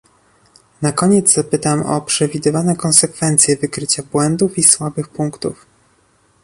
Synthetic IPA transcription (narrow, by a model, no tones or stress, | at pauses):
nakɔɲɛd̪zz̥apɘt̪amɔ̰pʂɛvʲid̪ɘvanɛkɔnsɛkfɛnt̪sʲjɛvɘkɾɘt͡ɕabwɛnd̪ufiswabɘxpuŋkt̪ṵf